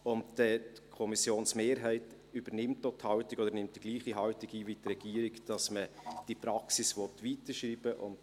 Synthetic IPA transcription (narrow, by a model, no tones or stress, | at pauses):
ʊnddɛtkʰɔmisjoːnsmeːɾɦɛɪt | yb̥əɾnɪmtːoːthɑʊtɪɡ̥odəɾnɪmt̚d̥iɡliːχiɦɑwtɪɡiːʋitrɛɡ̥iːəɾɪɡd̥ɑsməd̥ipɾɑksisʋɔtviːtəʃɾiːb̥əʔʊ̰nt